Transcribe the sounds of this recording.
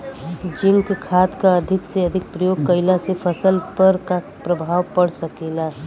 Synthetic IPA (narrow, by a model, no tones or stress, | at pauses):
d͡ʒimkekʰat̪kaəd̪ʱikseəd̪ʱik̚pɾəjoɡ̚kəɪlasepʰəsəlpəɾka | pɾəbʱawpəɽsəkela